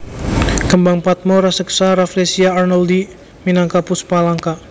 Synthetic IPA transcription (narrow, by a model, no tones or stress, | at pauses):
kəmbaŋpat̪̚mɔɾasəksaɾaflesiaarnɔld̪i | minaŋkapʊspalaŋka